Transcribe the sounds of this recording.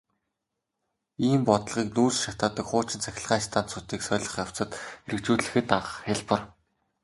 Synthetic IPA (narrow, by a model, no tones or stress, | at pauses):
iːmpɔt̪ɮʁiːknuːɮʃat̪aːt̪ə̆kχʊːt͡ɕɪ̆nt͡sæxʲɪ̆ɮʁaːt͡ɕt̪ʰaːnt̪sut̪iːksœːɮɞ̆χjaw̥t͡sə̆t̪eɾɘ̆k̚t͡ɕuːɮɘ̆xɘ̆t̪aə̆χeɮpə̆r